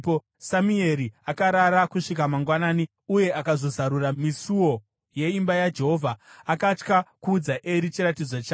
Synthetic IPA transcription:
o | samue̞ɾiakaɾaɾakuʂik̬amaŋɡwanaːni | uje̞ʔakazo̞zaɾuramisuwo̞ | je̞imbajad͡ʒe̞ɦo̞vʱaːkat͡ʃkakuːd͡zaʔeɾit͡ʃiɾatid͡zwat͡ʃaː

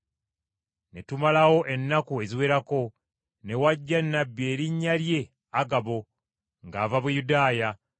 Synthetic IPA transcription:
ne̞tumalawo̞ʔe̞nːakue̞ziwe̞ːɾako̞ | ne̞waɟːanːabːje̞ːɾiɲːalje̞ | aɡaβo̞ | ŋɡaːvaβujudaːja

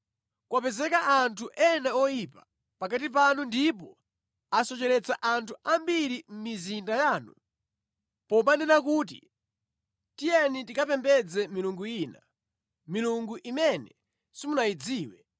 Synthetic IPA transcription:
kwapɛzɛkaʔantʰuʔɛnaɔjipa | pak̬at̬ip̬anundip̬ɔ | asɔt͡ʃɛɾɛt͡saʔantʰuambiɾim̩mizindajaːnṵ | pɔɓandɛnak̬uːt̬ḭ | tijɛnitikapɛmbɛd͡zɛmiluŋɡuiːna | miluŋɡuʔimɛnɛ | simunaid͡ziːwɛ

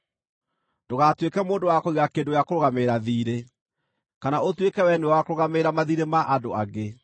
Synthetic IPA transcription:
d̥oɣatwekɛmoːndowakoiɣakeːdojakoɾoɣameɾaðiːɾe | kanaotwekɛwɛnuɛwakoɾoɣameɾamaðiɾemaʔadoaɣe

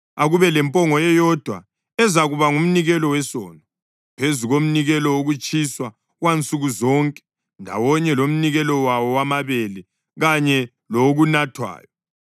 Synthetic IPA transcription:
aɣuβɛlɛmpʼɔŋɔjɛjɔd̥ʱwa̰ | ɛzaɣuβaŋum̩niɣɛlɔwɛsɔ̰ːnɔ | pʰezuɣom̩niɣɛlɔoɣut͡ʃʼiswa | ɣwant͡sʼuɣuzɔŋkʼɛ̥ | ndʱa̰wɔɲɛlom̩niɣɛlɔwawɔwamaβɛlɛ | ɣaɲɛ | loɣunatʰwa̰ːjɔ

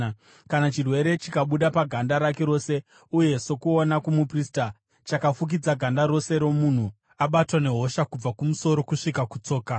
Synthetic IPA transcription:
kanat͡ʃirwe̞ɾe̞t͡ʃikaɓuɗapaɡʱandaɾake̞ɾo̞ːse̞ | uje̞so̞kuonakumuprista | t͡ʃakafuk̬id͡zaɡʱandaɾo̞se̞ɾo̞mun̤u | aɓatwane̞ɦo̞ʃakub͡vakumuso̞ɾo̞kuʂikakut͡so̞ːka

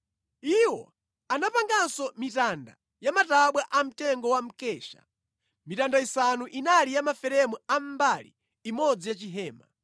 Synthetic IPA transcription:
iwɔ | anapaŋɡansɔmitanda | jamataɓwaʔam̩tɛŋɡɔwam̩kɛːʃḁ̰ | mitandaisanuʔinalijamafɛɾɛmuam̩balḭː | mɔd͡zijat͡ʃiɦɛːma̰

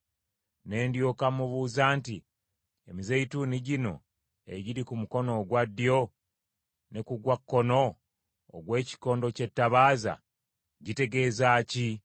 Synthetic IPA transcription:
ne̞ːndjoːkamːuβuːzaːnti | emizeituːniɟino̞̰ | e̞ɟiɾikumuko̞no̞ːɡwadːjo̞ | nekuɡwakːo̞no̞̰ː | ɡwe̞ːci̥ko̞ːndo̞ce̞tːaβaːza̰ | ɟite̞ɡe̞ːzaːci

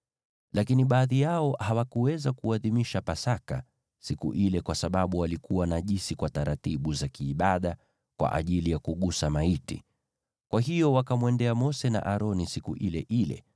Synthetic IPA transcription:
lʔakiniɓaːðijaɔhawakuwɛzakuaðimiʃapasaka̰ | sikṵʔilɛkwasaɓaɓuwalikuwanaʄisikwataɾatiɓuzakiːɓaɗa | kwa̰ʔa̰ʄilijakuɠusamaitḭ | kwaɦijɔwakamwɛndɛamɔsɛna̰ʔaɾɔnisikṵʔilɛ̰ʔilɛ̰

